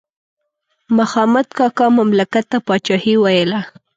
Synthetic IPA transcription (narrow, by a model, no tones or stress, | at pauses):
maxɑmat̪kɑkɑmamlakat̪ːapɑt͡ʃɑhiwajəla